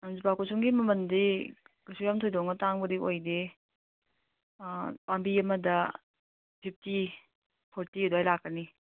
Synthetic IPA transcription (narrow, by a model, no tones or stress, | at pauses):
anzupakusuŋɡimɐmɐndikasuɾjamtʰojdɔŋɐtaŋbɐdiojde | pambiɐmɐdɐ | pʰip̚ʰti | pʰɔɾtidoajlakːɐni